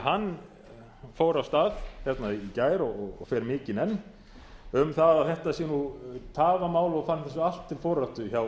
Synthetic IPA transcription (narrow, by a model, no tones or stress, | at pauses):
ɦanː | foːwɾawst̪aːðçjɛt̪naiːcaːjɾɔɣɔɣɔ̰fɛːɾmɪːcɪnɛnː | ʏmθaðaθɛht̪asjɛnut̪ʰaːvamaːwlɔɣfanːθɛsːʏal̥t̪ʰːɪlfowɾaht̪ʏçaw